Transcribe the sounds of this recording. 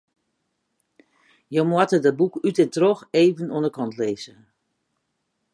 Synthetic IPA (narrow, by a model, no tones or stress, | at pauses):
jomwatədɔbukytətrɔxeːvənondəkʰɔntʰleːzə